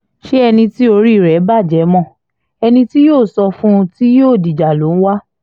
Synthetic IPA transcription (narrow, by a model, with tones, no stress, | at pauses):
ʃe˦ɛ˧nĩ˧ti˦o˧ɾi˦˨ɾɛ˨˦ba˦˨d͡ʒɛ˨˦mɔ̃˦˨ | ɛ˧nĩ˧ti˦joː˦˨sɔ˧fũ˦˧ti˦joː˦˨di˨d͡ʒa˨lo˨˦n̩˦wa˦